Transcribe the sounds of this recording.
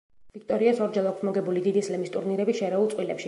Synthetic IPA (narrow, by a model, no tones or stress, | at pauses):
v̥ik̚t̪ʼɔɾiasɔɾd͡ʒɛlˠɔkʰsmɔɡɛbulid̪id̪islɛmist̪ʼuɾniɾɛbiʃɛɾɛulˠt̪sqʼwilɛpʃi